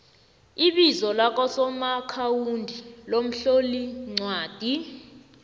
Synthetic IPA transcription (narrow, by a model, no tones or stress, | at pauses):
iɓizɔlak̬ʼɔsɔmakʰawundʱilom̩ɬoliŋ͡ǀʱwaːd̥ʱi